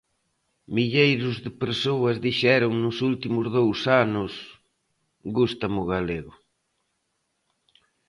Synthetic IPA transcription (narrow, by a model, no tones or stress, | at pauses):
miʎejɾʊzðɪpeɾsoɐzðiʃɛɾʊŋnʊsult̪imʊzðowsanʊs | ɣust̪ɐmʊɣaleɣʊ